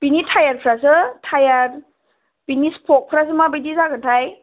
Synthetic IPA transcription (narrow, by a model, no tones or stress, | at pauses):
pinitʰajaɾpʰɾasɯtʰajaɾ | pinispʰɔk̚pʰɾas̬ɯmabɯjdizaɡɯntʰaj